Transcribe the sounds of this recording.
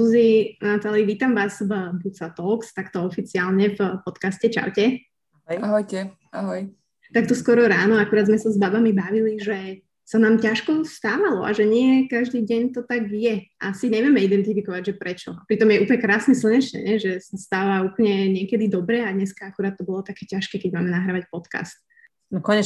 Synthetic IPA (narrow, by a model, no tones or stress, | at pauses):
uzinat̪aliʋiːt̪amʋaːzvbut͡sat̪ɔlkst̪akt̪ɔɔfit͡siaːlɲɛfpɔt̪kascɛt͡ʃa̰wcɛ | jaɦɔjɛ | aɦɔj | t̪ak̚t̪ɔskwɔɾɔɾaːnɔakuɾaːd̪zmɛsazbabamibaʋiliʒɛ | sanaːmcaʃkɔst̪aːʋalɔʔa̰ʒɛɲɪɛkaʒd̪iːɟɛɲt̪ɔt̪aɡjɛʔa̰siɲɛʋɪɛmɛid̪ɛnt̪ifikɔʋaɟʒɛpɾɛt͡ʃɔ̰apɾit̪ɔmjɛuːpɲɛkɾaːsɲɛs̬l̩ɲɛt͡ʃnɛ̰ɲɛʒɛsast̪aːʋauːpl̩ɲɛɲɪɛkɛd̪id̪ɔbɾɛad̪ɲɛskaakuɾaːt̪ːɔbɔlɔt̪akɛːcaʃkɛːkɛɟmaːmɛnaɦɾaʋacpɔt̪ka̰st̪̚ | nkɔɲɛ